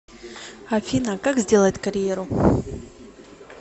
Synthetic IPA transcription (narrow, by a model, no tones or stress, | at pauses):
ɐfʲinəkaɡzʲdʲe̞lˠəɪtʲkɐɾʲjeɾʊ